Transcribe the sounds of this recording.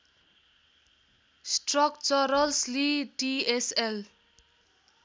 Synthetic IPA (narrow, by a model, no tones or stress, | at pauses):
sʈrɔk̚t͡sʌɾʌlsliʈiesel